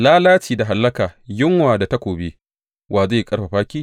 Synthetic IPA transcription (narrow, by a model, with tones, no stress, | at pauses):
laː˦laː˦t͡ʃiː˨da˨ɦa˨lːɐ˦kaː˨jɪ˦ŋwaː˨da˨ta˦kʷoː˨be˦ | wʔaː˨za˦˨kʼɐ˦ɽɸa˨ɸaː˦kʲiː˦